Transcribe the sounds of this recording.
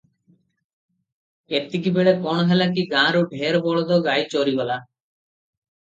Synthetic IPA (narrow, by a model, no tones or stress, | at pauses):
et̪ːikibeɭekɔɽ̃ɔɦelak̬iɡãɾoɖʱeɾbɔɭɔd̪ɔɡajt͡ɕoɾibɔla